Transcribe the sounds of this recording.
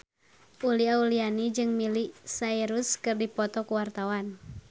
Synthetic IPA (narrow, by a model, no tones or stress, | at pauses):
ʔuliaulianid͡ʒɨŋmilisaiɾuskɨrdipɔt̪ɔkuwart̪awan